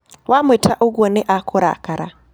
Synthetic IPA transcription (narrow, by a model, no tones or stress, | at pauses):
wamwɛtʰaʔuɡɔnɛʔakʰɔɾa̰kaɾa